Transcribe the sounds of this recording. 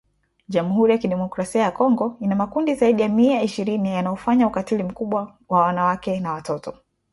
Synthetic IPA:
ʄam̩huɾijakiɗɛmɔkɾasiajakɔŋɡɔinamakundizaiɗijamiaiʃiɾinijanajɔfaɲaukatilim̩kuɓwa | wawanawakɛnawatɔtɔ

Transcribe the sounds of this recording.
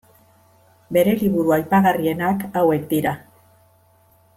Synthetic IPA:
be̞ɾe̞liβuɾuajpaɣarie̞nakawe̞kd̪iɾa

